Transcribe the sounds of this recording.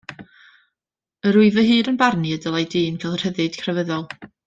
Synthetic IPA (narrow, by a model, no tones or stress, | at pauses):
əɾʊɨvəɦɨːɾənbarniədəlˠajdɨːnkʰɛlˠr̥həðɨd̥kʰrɛvəðɔlˠ